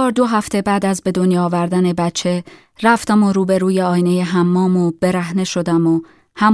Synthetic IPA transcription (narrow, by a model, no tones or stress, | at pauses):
ɒːɾd̪o̞ɦæft̪ʰe̞bæːd̪æzbe̞d̪o̞njːvæɾd̪æne̞bætt͡ʃʰːe̞ | ɾæft̪æmoɾuːbe̞ɾuːjeɒːjne̞jeɦæmːɒːmob̥e̞ɾæɦne̞ʃo̞d̪æmo | hæm